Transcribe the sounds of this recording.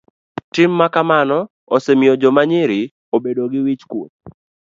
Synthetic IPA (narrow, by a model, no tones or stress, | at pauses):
tɪmːakamanɔ | osemɪjod͡ʒɔmaɲɪɾɪ | obedoɡɪwit͡ʃkwot̚